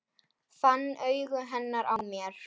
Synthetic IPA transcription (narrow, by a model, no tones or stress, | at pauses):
θanːœːɥɣʏɦɛnːaɾʔawmjɛɾ̥